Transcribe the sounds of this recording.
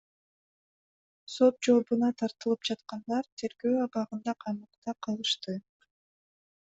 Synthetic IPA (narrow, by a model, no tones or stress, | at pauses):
so̞t̪̚d͡ʒo̞bunɑt̪ʰɑɾt̪ɯlˠɯpd͡ʒɑt̪qɑnd̪ɑɾt̪ʰe̞ɾɡø̞ːɑbɑʁɯnd̪ɑqʰɑjmɯq̚t̪ɑqʰɑlˠɯʃt̪ɯ